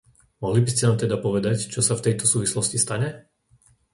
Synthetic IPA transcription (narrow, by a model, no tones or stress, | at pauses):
mɔɦlibiscɛnaːmt̪ɛd̪apɔʋɛd̪act͡ʃɔsaft̪ɛjt̪ɔsuːʋislɔscist̪aɲɛ